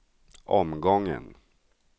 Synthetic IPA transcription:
ʔɔmɡɔŋːə̰n

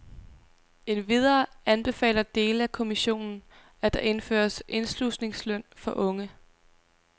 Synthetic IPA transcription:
e̝nʋið̞ˠɐːænb̥e̝fɛ̰ːlɐd̥e̝ːləækʰo̝miɕo̝̰ːnn̩ | æd̥ɑ̈ʔe̝nfø̰ːɐsʔe̝nslusne̝ŋslœn̰fɒ̽ʔɔ̽ŋə

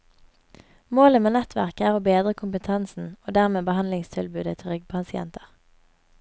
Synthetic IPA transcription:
moːləmeːnɛt̪ʰʋæ̰ʁkəæːʁoːbeːd̪ʁəkʰʊmpət̪ʰɛnsn̩oːd̪æʁmeːbəhɑnlɪŋst̪ʰɪlbʉːd̪ət̪ʰɪlʁʏɡ̚pʰɑsɪɛ̰nt̪əʁ

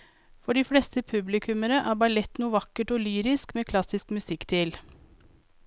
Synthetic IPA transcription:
fɔɖiːflɛst̪əpʰʉblɪkʰʉməɾəʔæːɾbɑlɛt̪nuːʋɑkəʈɔːlyːɾɪskmeːkʰlɑsɪskmʉsɪkːt̪ʰɪl

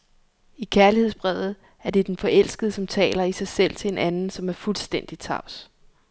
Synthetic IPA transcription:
ikʰæɐlihe̝ð̰ˠsb̥ʁɛʊ̰ð̩ˠ | æɐd̥e̝d̥enfɒ̽ʔel̰sɡ̥əðˠəsɒ̽mt͡sʰɛ̰ːlɐisɑ̈ɪsel̰t͡sʰe̝enʔænn̩sɒ̽mæɐfulsd̥en̰d̥it͡sʰɑ̈ʊ̰s

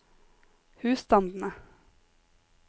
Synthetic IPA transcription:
hʉːst̪ɑnd̪n̩ə

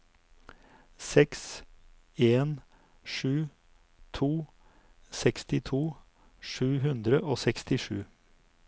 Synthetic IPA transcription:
sɛks | eːn | ʃʉː | t̪ʰuː | sɛkst̪ɪt̪ʰuː | ʂʉːɦʉnd̪ɾəʔoːsɛkst̪ɪʂʉː

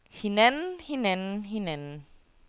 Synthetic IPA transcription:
hinɛnhinɛnɦinɛn

